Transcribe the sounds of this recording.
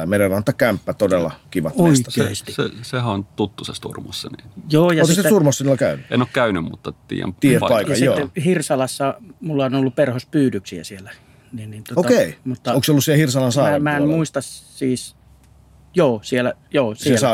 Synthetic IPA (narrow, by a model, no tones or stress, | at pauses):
ɑmeˑɾenɑnt̪ːˑɑkæmpːæt̪odelːɑ̰kiʋɑ̰t̪oeist̪ɑ̰sisesehæont̪ut̪ːusest̪ṵrmo̰sːɑninjoːjɑot̪isesurmosːɑniːlːkæynyḛnoːkkæynymmṵt̪ːɑt̪ḭːæ̰mt̪iːæpɑˑikkɑsijoːehirsɑlɑsːɑmulːɑonolːupperhospyːdyksiæ̰sielæ | ninnint̪ookeimut̪ːɑoŋksolusielhirsɑlɑnsɑˑːmæːenmmuist̪ɑssiːs | joːsielæ | joːsesɑ